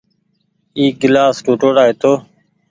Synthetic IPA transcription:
iːɡɪlaːsʈuːʈoːɽaːeːt̪ʰoː

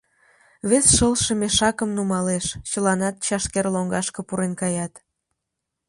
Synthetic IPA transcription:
βesʃəlʃə̆meʃɑkəmnumɑleʃt͡ɕəlɑnɑt̪̚t͡ɕɑʃkerloŋɡɑʃkə̆puɾenkɑjɑt̪

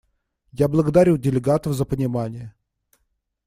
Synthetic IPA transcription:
jablˠəɡəd̪aɾʲudʲɪlʲɪɡat̪əfzəpənʲɪmanʲɪjə

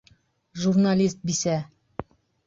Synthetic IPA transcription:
ʒurnalʲist̪̚bisæ

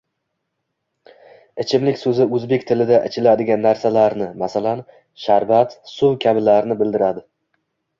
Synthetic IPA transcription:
ɪt͡ʃʰɪmlɪkʲsɵzɪɵzbekʲt̪ʰɪlɪd̪aʔɪt͡ʃʰɪlad̪ɪɡʲanːaɾsalaɾnɪmasalan | ʃaɾbat̪sʊkʲʰabɪlaɾnɪbɪld̪ɪɾad̪ɪ

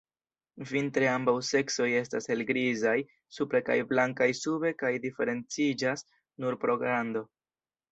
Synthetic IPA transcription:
vintɾeambawse̞kso̞je̞stase̞lɡɾizaj | supɾe̞ka̰jblaŋkajsube̞kajdife̞ɾe̞nt͡sid͡ʒas | nuɾpɾo̞ɡɾando̞

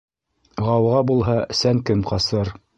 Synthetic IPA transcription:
ʁɑwʁɑbulˠɦɑsæŋkɘmqɑsɤɾ

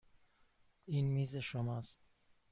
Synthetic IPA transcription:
iːnmiːzeʃomɒːst̪

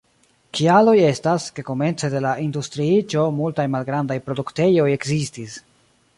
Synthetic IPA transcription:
kʰialo̞je̞staske̞ko̞me̞nt͡se̞de̞laʔindustɾiit͡ʃo̞multajmalɡɾandajpɾo̞dukte̞jo̞je̞kzistis

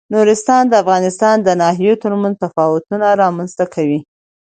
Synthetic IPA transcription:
nuɾɪst̪ɑnd̪əafɣɑnɪst̪ɑnd̪ənɑhɦijot̪əɾmanzt̪afɑwʊt̪unaɾɑmanz̥t̪akʰawi

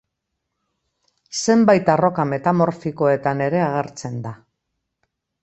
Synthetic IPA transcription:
se̞mbajt̪aro̞kame̞t̪amo̞ɾfiko̞e̞t̪ane̞ɾe̞aɣ̞e̞ɾt͡se̞nd̪a

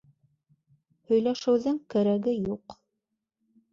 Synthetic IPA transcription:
hɵ̆jlæʃɘ̆wðɘŋkæɾæɡɘjuq

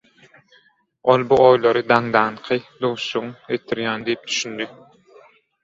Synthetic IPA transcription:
olˠbuojlˠɑɾɨd̪ɑŋd̪ɑɴqʰɨd̪owʃʊŋet̪ʰɪɾjɑːnd̪ejp̚t̪ʰy̥ʃynd̪y

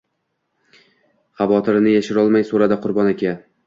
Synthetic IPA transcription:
χɑvɒt̪ʰɪɾɪnɪjaʃɪɾɒlˠmajsoɾad̪aqʰʊɾbɒnakʲa

